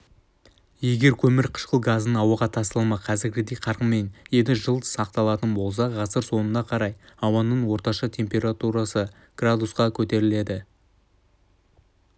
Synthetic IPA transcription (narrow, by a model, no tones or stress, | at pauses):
je̞ɡʲe̞ɾkʲʰɵmɪɾqʰə̥ʃqəlˠɡazənəɴɑwəʁɑt̪ʰɑst̪ɑlˠmɑqʰɑzɪɾɡʲɪd̪e̞jqʰɑɾʁəme̞nje̞d̪ɪʒəlˠd̪əsɑq̚t̪ɑlˠɑt̪ənbo̞lˠs̬ɑʁɑsəɾso̞nənːɑqʰɑɾɑjɑwɑnːəɴwo̞ɾt̪ɑʃɑt̪ʰe̞mpʲe̞ɾat̪uɾasə | ɡ̥rad̪usqɑkʲʰɵt̪e̞ɾɪle̞d̪ɪ